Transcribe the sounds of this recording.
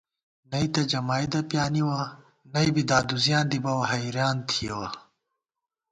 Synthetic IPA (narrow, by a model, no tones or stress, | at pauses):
nɐit̪ɐd͡ʑɐmaːjd̪ɐpjaːniwa | nɐjbid̪aːd̪uzjãːnd̪ibɐwɐɦɐjɾjaːnt̪ʰijɐ